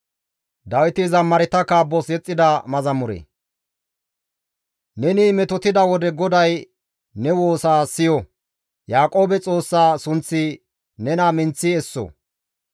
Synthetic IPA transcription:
d̪ɐwɪt̪ɪzɐmːɐɾɪt̪ɐkabɔsjɛt͡sʼːɪd̪ɐmɐzɐmʊɾḛː | nɛnimɛt̪ɔt̪ɪd̪ɐwɔd̪ɛɡɔd̪ɐj | nɛwo̞ːsaːsɪjɔ | jaːkʼo̞ːbɛt͡sʼo̞ːsːaːsʊnt͡sːɪ | nɛnamɪnt͡sːɪɛsːɔ̰

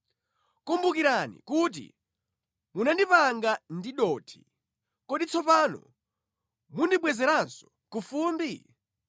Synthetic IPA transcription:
kumbukiɾanḭkut̬ḭ | munandipaŋɡandiɗɔːtʰi̥ | kɔɗit͡sʰɔpanɔ̰ | mundiɓwɛzɛɾansɔ̥ | kufuːmbi

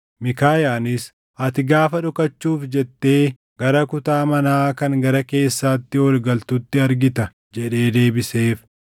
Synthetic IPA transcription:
mɪkaːjaːnɪs | ɐt̪ɪɡaːfɐᶑʊkɐt͡ʃːuːfd͡ʒɛt̪ːe̞ː | ɡɐɾɐkʊt̪aːmɐnaːkɐŋɡɐɾɐke̞ːsːaːt̪ːɪɔlɡɐlt̪ʊt̪ːɪɐɾɡɪt̪ɐ | d͡ʒɛᶑe̞ːd̪e̞ːbɪseːf

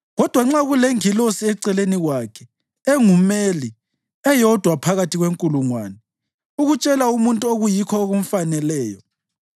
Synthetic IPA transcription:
ɣɔd̥ʱwaŋ͡ǁaɣuleŋilosiɛǀɛleniɣwakʰɛ̥ | ɛŋumeli | ɛjɔd̥ʱwapʰaɣatʰiɣweŋkʼuluŋwaːnɛ | uɣut͡ʃʼɛlaumuntʼuoɣujikʰɔoɣum̩fanɛlɛːjɔ

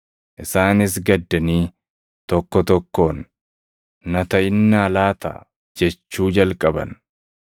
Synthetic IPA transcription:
ʔɪsaːnɪs̬ɡɐd̪ːɐniː | t̪ɔkːɔt̪ɔkːo̞ːnː | ɐt̪ɐʔɪnːaːlaːt̪ɐ̰ | d͡ʒɛt͡ʃːuːd͡ʒɐlkʼɐbɐ̰n

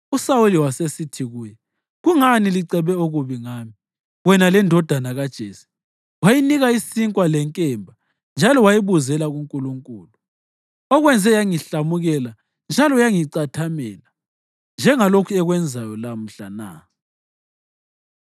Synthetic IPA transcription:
usawuliwasesitʰiɣuːjɛ | ɣuŋaniliǀɛβɛoɣuβiŋaːmi | wɛnalɛndʱɔd̥ʱanaɣad̥ʒ̥ʱeːsi̥ | wajiniɣaisiŋkʼwalɛŋkʼɛmbʱa | nd͡ʒʱalɔwajiβuzɛlaɣuŋkʼuluŋkʼuːlu | ɔɣwɛnd͡zʱɛjaŋiɬamuɣɛla | nd͡ʒʱalɔjaŋiǀatʰamɛːla | nd͡ʒʱɛŋalokʰuɛɣwɛnd͡zʱajɔlam̩ɬana̰

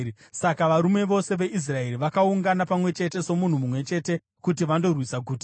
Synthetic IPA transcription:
sakaʋaɾume̞ʋo̞se̞ʋe̞ʔis̬rae̞ɾiʋakauŋɡanapamwe̞t͡ʃe̞te̞so̞mun̤umumwe̞t͡ʃe̞ːte̞ | kutiʋando̞rwisaɡʱuːtḁ

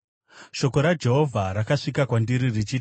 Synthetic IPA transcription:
ʃo̞ko̞ɾad͡ʒe̞ɦo̞vʱaɾakaʂikakwandiɾirit͡ʃi

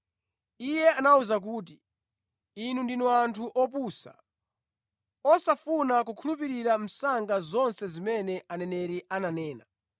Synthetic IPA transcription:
ijɛanauzak̬uːt̬i | inundinuantʰuʔɔp̬uːsa̰ | ɔsafunakukʰulupiɾiɾam̩saŋɡazɔnsɛzimɛnɛʔanɛnɛɾiʔananɛːna̰

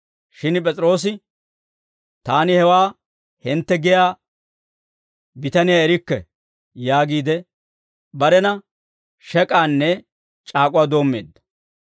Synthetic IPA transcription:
ʃɪnpʼɛt͡sʼɾo̞ːs̬ɪ | t̪aːnɪhɛwaː | hɪnt̪ːɛɡɪjaː | bɪt̪ɐnɪjaːɛɾɪkːɛ̰ | jaːɡiːd̪ɛ | bɐɾɛnɐ | ʃɛkʼaːnːɛ | t͡ʃʼaːkʼʊwaːd̪o̞ːmːe̞̰ːd̪ːɐ̥

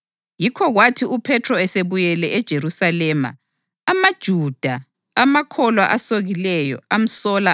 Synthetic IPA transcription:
jikʰɔɣwatʰiupʰɛtʰrɔɛseβujɛlɛʔɛd̥ʒ̥ʱeɾusalɛːma̰ː | mad̥ʒ̥ʱud̥ʱaː | makʰɔlwaʔasoɣilɛjɔ̰am̩sɔla

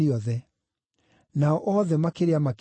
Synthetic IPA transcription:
iɔðɛ | naɔʔɔðɛmakeɾeamak

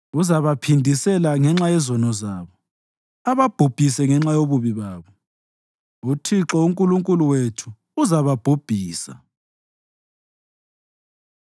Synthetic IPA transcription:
uzaβapʰindʱisɛlaŋɛŋ͡ǁajɛzɔnɔzaːβɔ | aβab̥ʱob̥ʱisɛŋɛŋ͡ǁajoβuβiβaːβɔ | utʰiǁɔuŋkʼuluŋkʼuluwetʰu | uzaβab̥ʱob̥ʱiːsa̰

